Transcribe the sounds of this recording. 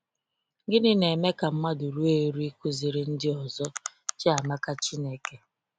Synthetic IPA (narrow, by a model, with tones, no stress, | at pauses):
ɡɪ˦nɪ˦ne˨me˦ka˨m̩˦ma˦du˨ɾu˦e˦ɾu˦i˦kʊ˦zi˨ɾɪ˨n̩˦dɪ˦ɔ˨zɔ˦t͡ʃa˨ma˦ka˦t͡ʃi˦ne˦ke˦